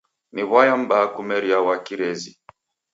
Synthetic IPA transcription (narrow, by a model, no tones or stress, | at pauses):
niβwajam̩bakumɛɾiawakiɾɛzi